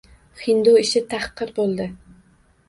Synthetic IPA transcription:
χɪnd̪oɪʃɪt̪ʰɑχqːɨɾbolˠd̪ɪ

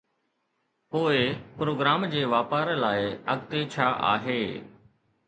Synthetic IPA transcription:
poːɪpɾoːɡɾaːmd͡ʑeːʋaːpaːɾlaːɪəɡt̪eːt͡ɕʰaːʔa̰ːɦeː

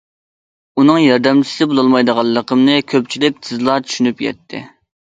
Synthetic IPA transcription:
unɨŋjɑɾd̪ɛmt͡ʃʰi̥sɪbolˠɑlˠmɑjd̪əʁɑlˠːəqʰəmnɨkʲʰøp̚t͡ʃʰilɪk̚ʲt̪ʰɨzlˠɑt͡ʃʰy̥ʃynypjɛ̰t̪ʰːɪ̰

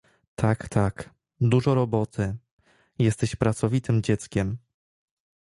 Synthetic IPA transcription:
t̪ʰakt̪ʰak | d̪uʐɔɾɔbɔt̪ʰɘ | jɛst̪ɛɕpɾat̪sɔvʲit̪ɘmd͡ʑɛt̪skʲɛm

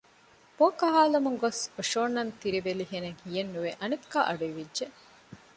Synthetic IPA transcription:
boːkɐɦaːlɐmuŋɡosoʃoːnːɐnt̪iɾiʋeliɦeneŋhijenːuʋeʔɐnekːaːʔɐɖuiʋidʒe

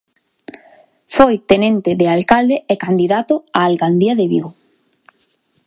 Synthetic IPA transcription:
fojt̪enẽnt̪eðealkald̪eekand̪iðat̪oaːlkand̪iaðeβḭɣo

